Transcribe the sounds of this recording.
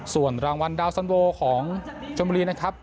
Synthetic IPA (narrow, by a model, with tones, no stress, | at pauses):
su˨˩ənɾaː˧ŋwa˧ndaː˧wsa˧nwoː˧kʰɔː˩˦ŋt͡ɕʰo˧nbu˧ɾiː˧na˦˥kʰa˦˥p̚